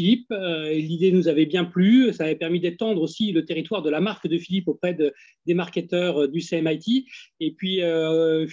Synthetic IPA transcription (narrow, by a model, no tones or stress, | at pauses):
ilip̚ølid̪enuzavɛbjɛ̃plysaːvɛpɛʁmid̪at̪ɑ̃d̪ʁosilət̪eʁit̪waʁd̪əlamaʁkd̪əfilipopχɛd̪ə | d̪emaʁkʲet̪œʁd̪yseɛmajt̪iepɥiø